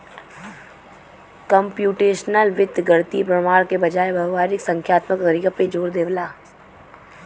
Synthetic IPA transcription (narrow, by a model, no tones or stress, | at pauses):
kəmpjuːʈeːʃnəlʋɪd̪ɡɐɾt̪ipɾɐmaːɾkebɐd͡ʒaːebʱɐʋaːɾɪksə̃ŋkʰjaːt̪məkːəɾikəped͡ʒoːɾd̪eːʋlaː